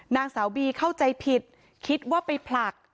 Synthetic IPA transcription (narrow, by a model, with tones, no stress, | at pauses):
naː˧ŋsaː˩˦wbiː˧kʰa˥˩wt͡ɕa˧jpʰi˨˩t̪̚ | kʰi˦˥t̪̚waː˥˩pa˧jpʰla˨˩k̚